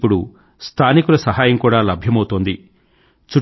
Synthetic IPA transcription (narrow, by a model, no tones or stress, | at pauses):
pːuɽu | st̪ʰaːnikulɐsɐɦaːjɐmkuːɽaːlɐbʱjɐmɐwt̪oːnd̪i | t͡ʃu